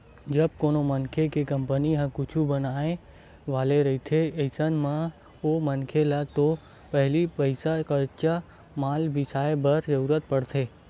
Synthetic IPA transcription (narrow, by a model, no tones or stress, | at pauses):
d͡ʒəb̚konomənkʰekekəmpəniɦãkut͡ʃʰubənae | ʋaleɾəɦit̪ʰeəjsənmã | omənkʰelat̪o | pəɦɛlipəisakəɾt͡ʃa | malʋisajebəɾd͡ʒəɾuɾət̪̚pəɽt̪ʰe